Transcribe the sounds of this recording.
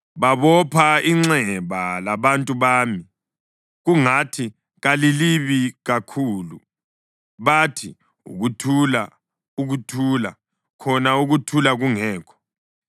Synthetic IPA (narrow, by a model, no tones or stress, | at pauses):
βaβɔpʰaiŋ͡ǀɛβalaβantʼuβaːmi | ɣuŋatʰi | ɣaliliβiɣakʰuːlṵ | βatʰi | ṵɣutʰula | uɣutʰuːla̰ | kʰɔnauɣutʰulaɣuŋɛːkʰɔ̥